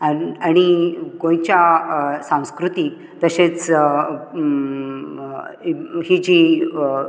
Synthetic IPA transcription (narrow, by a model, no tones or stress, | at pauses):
aɽ̃ikõj̃t͡ɕjasãw̃skɾut̪i | t̪əɕẽt͡s | hid͡ʑi